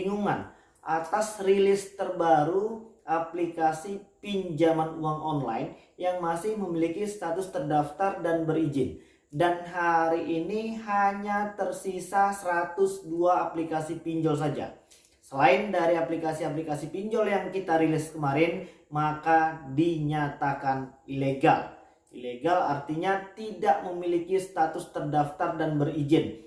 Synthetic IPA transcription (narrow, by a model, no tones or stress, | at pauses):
iŋuŋan | ʔat̪asrilɪst̪ərbaɾuʔaplikasipiɲd͡ʒamanuaŋɔnla̰ɪn | jaŋmasɪhməmilikisət̪at̪ʊst̪ərdaft̪ardanbəɾid͡ʒɪn | danɦaɾiʔːniɦaɲat̪ərsisasəɾat̪ʊsduaːplikasipiɲd͡ʒɔls̬ad͡ʒa̰ | səlaɪndaɾiaplikasiaplikasipiɲd͡ʒɔljaŋkit̪aɾilɪskəmaɾɪn | makadiɲat̪akanileɡa̰l | ileɡalart̪iɲat̪idaʔməmilikist̪at̪ʊst̪ərdaft̪ardanbərid͡ʒɪn